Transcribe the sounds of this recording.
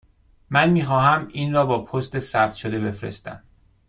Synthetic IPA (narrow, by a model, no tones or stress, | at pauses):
mænmiːxɒːhæmiːnrɒːbɒːpʰost̪e̞sæb̥̚t̪ʃod̪e̞be̞fɾe̞̰st̪æ̰m